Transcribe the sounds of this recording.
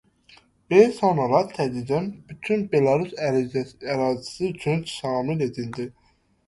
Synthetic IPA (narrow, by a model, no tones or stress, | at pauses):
besɑnoɾɑt̪ʰæd̪id͡ʒænbyt̪ʰynbelɑɾys | æɾɑːzisiyt͡ʃʰynʃɑːmile̞d̪ind̪i